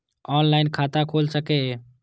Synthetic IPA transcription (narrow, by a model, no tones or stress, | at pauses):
ɔːnlaːɪnkʰaːt̪akʰoːlsəke